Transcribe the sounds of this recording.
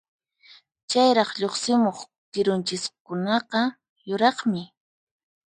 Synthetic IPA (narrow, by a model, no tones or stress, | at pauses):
t͡ʃajɾɑχʎoχsɪmoχ | tɪɾʊnt͡ʃɪskʊnɑqɑ | jʊɾɑχmɪ